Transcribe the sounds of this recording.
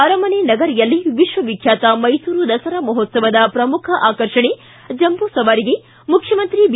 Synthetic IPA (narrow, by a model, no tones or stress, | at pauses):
ɐɾɐmɐnenɐɡɐɾijɐlːiʋiʃʋɐʋikʰjaːt̪ɐmɐjsuːɾud̪ɐsɐɾɐmɐɦot̪sɐʋɐd̪ɐpɾɐmukʰɐʔaːkɐɾʂɐɳe | d͡ʒɐmbusɐʋaːɾiɡe | mukʰjɐmɐnt̪ɾib